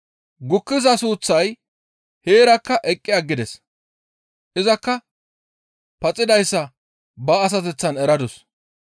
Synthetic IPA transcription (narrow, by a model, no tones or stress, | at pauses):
ɡʊkːɪzɐsuːt͡sːɐj | he̞ːɾɐkːɐʔɛkʼːɪjaɡːɪd̪ɛs | ʔɪzɐkːɐ | pɐt͡sʼːɪd̪ɐjsːɐ | bɐːs̬ɐt̪̬ɛt͡sːɐnɛɾɐd̪ʊs